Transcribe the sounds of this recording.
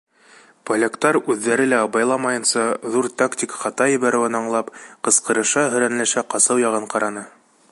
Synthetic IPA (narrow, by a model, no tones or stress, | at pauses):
polʲekt̪ɑɾʉðːæɾɘlæɑbɑjlˠɑmɑjɤ̆nsɑðuɾt̪akt̪ʲikχɑt̪ɑjɘ̆βæɾɘ̆wɘnɑɴlˠɑpqɤ̆sqɤ̆ɾɤ̆ʃɑɦɵ̆ɾænlæʃæqɑsɤwjɑʁɤɴqɑɾɑnɤ